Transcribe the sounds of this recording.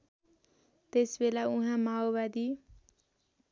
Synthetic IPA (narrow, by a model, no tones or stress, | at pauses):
t̪esbelauɦãmaobad̪i